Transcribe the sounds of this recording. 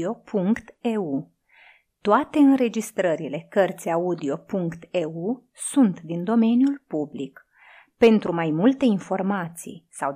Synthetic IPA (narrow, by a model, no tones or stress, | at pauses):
o̞pʰuŋkkt̪eu | t̪oat̪e̞ɨnɾe̞d͡ʒist̪ɾəɾile̞kərt̪sʲaud̪io̞puŋkt̪eu | sunt̪d̪ind̪o̞me̞njulpublik | pe̞nt̪ɾumajmult̪e̞info̞rmat̪sḭjsaw